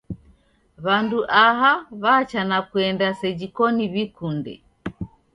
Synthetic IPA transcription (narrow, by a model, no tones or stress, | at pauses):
βanduʔaɦaβaːt͡ʃanakwɛndasɛd͡ʒikɔniβikundɛ̰